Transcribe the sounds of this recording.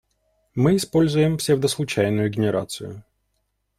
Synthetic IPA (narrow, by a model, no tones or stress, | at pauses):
mɪːspɔlʲzʊjemfsʲɐvd̪ɐslˠʊt͡ʃajnʊjʊɡʲenʲɪɾʔa̰t̪sɨjʊ̰